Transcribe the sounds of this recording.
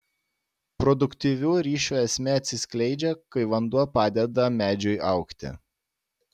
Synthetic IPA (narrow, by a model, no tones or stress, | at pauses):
pɾɔd̪ʊkʲt̪ʲiːʋʲuːɾʲiːʃʲuːɛsʲmʲɛɐt̪ʲsʲɪsʲkʲlʲɛɪd͡ʒʲɛkɐɪʋɐnd̪uɔpɑːd̪ʲɛd̪ɐmʲæːd͡ʒʲʊɪʔɑˑʊkt̪ʲɪ̰